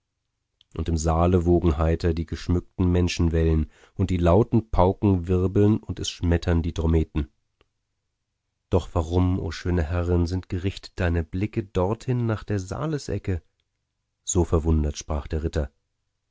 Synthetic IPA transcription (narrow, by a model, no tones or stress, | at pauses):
ʔʊntɪmzaːləvoːɡŋ̩ɦaɪtɐdiːɡəʃmʏk̚tn̩mɛnʃn̩vɛlən | ʔʊnt̚d̥iːlaʊtn̩pʰaʊkŋ̩vɪʁbl̩nʊntɛsʃmɛtʰɐndiːdʁ̥omeːtn̩ | d̥ɔχv̥aːʁʊmʔo̰ːʃøːnəhɛʁənzɪntɡ̥əʁɪçtə̥t̚d̥aɪnəblɪkədɔʁthɪnːaːχd̥eːɐza̰ːləsʔɛ̰kə | z̥oːfɛɐvʊndɐtʃpʁ̥aːχd̥eːɐʁɪtɐ